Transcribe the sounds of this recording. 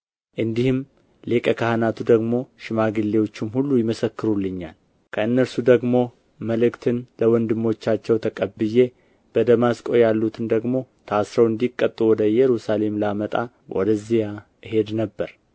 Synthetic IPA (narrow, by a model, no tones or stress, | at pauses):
ʔɨnd̪ihɨm | lekʼəkʰahnat̪ʰud̪əɡmo̞ʃɪmaɡɨlːewot͡ʃːɪmhulːujɪməsəkːɨɾulːɨɲːal | kʰəɨnːəɾsud̪əɡmo̞ | məlɨkt̪ʰɨnləwɔnd̪ɨmːo̞t͡ʃːat͡ʃːɛwt̪ʰəkʼəbːɨje̞ | b̥əd̪əmaskʼo̞jalːut̪ʰɨnd̪əɡmo̞t̪ʰasɾəwɨnd̪ikʼːət̪ʼːuwɔd̪əjɛɾusale̞mlamət̪ʼa | wʔɔ̰d̪əzːija | ɨhe̞d̪nəbːəɾ